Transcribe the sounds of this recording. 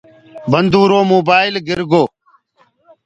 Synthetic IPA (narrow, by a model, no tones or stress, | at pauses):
bənd̪uːɾoːmoːbaːɪlɡɪɾɡoː